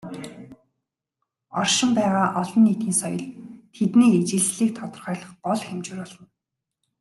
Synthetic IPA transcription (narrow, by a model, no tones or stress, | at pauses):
ɔrʃɪ̆mpæːʁaːʔɔɮɞ̆nːiːt̪xʲiːnsɔjɞ̆ɮt̪ʰet̪niːet͡ɕɪ̆ɮɮiːk̚t̪ʰɔt̪ɞ̆rχœːɮə̆χɢɔɮxemt͡ɕɘ̆ɾɔɮɞ̆n